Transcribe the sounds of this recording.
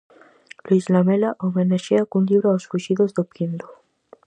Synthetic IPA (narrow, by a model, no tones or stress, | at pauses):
luizlamelaʔomenaʃeakunʎiβɾoawsfuʃiðozðopind̪o̥